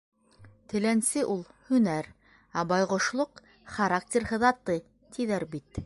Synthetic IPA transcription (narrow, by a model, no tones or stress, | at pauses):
t̪ɘ̆lænsɘʔulˠhɵ̆næɾ | ɑbɑjʁŏʃlˠoq | χaɾak̚tʲerhɤ̆ðɑt̪ɤ | t̪ʰiðæɾbit̪